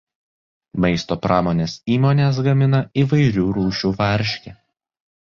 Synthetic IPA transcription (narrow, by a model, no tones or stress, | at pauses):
mɐɪst̪oːpɾʔɑːmoːnʲeːsiːmoːnʲeːs̬ɡɐmʲɪnɐiːʋɐɪɾʲuːɾuːʃʲuːʋɐɾʲʃʲkʲɪ